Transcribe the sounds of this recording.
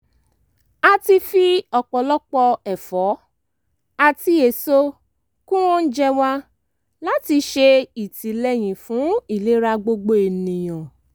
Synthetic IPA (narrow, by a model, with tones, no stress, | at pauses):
a˧ti˧fi˦ɔ˨k͡pɔ˨lɔ˦k͡pɔ˧ɛ˨fɔ˨˦ | a˧ti˧˦e˨so˦ | kũ˦wɔ̃˦n̩˦d͡ʒɛ˦wa˦ | la˦ti˧ʃe˧i˨ti˨lɛ˦j̃ĩ˨fũ˨˦i˦˨le˨˦ɾa˧ɡ͡bo˧ɡ͡bo˦e˨nĩ˨j̃ɔ̃˨